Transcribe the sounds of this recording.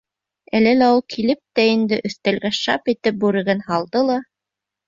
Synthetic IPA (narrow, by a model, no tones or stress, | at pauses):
ælɘlæulˠkʰilɘp̚t̪æind̪ɘʔɵ̆θt̪ælɡæʃɑpit̪ɘp̚bʉɾɘ̆ɡɘnhɑlˠd̪ɤlˠɑ